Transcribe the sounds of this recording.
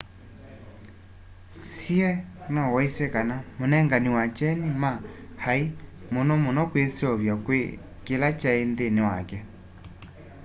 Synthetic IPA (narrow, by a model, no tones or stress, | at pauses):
siɛnɔwɔisɛkanamonɛŋɡaniwat͡ʃɛnimahai | monɔmonɔkwesɔβjakwe | kelat͡ʃaendenewa̰kɛ